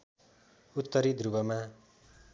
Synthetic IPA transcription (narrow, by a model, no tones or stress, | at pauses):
ut̪ːʌɾid̪ʱrubʌma